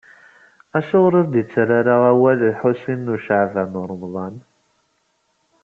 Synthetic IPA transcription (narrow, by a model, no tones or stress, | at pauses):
æʃʊʁɾˤəɾd̪it͡sːɾaɾaʁæwællħusinːuʃaʕvænʊɾˤəmðˤɑn